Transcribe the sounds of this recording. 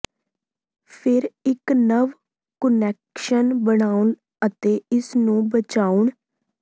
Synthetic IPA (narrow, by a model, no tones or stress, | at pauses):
pʰɪɾɪknəʋ | kənɛːkʃənbəɳaːuɳ | ət̪eːɪsnũːbət͡ʃaːuɳ